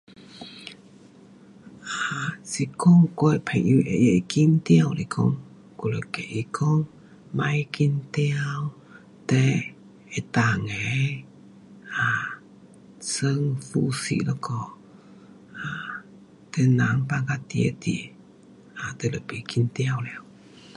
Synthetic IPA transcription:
asikɔŋkojpʰaʔiʔejəikimt̪iawɾikʰɔ̰ŋ | kuləkeʔikʰɔŋ | majkint̪iaw | t̪ɛ | ɛt̪aŋɛ | a | səŋfusḭʔlɔkɔ | a | t̪ɛnaŋpaɡat̪iḛt̪ḭ | at̪eləpikint̪iawlɛw

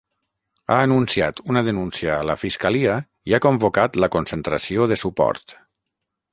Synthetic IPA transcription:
aːnunsia̰t̪unəðənunsiəːləfiskəliə | iakombokat̪ləkonsənt̪ɾəsioðəsupɔ̰ɾt̪

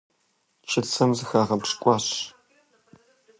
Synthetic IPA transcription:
t͡ʃʰɐt͡sʰɐmzɨxaːʁɐpʂkʷʼɑːɕ

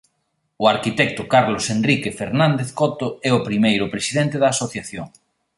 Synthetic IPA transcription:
ʊaɾkit̪ɛk̚t̪ʊkaɾlosenrikefeɾnãnd̪eθkɔt̪oɛʊpɾimejɾʊpɾesiðɛnt̪eðaːsoθjaθjoŋ

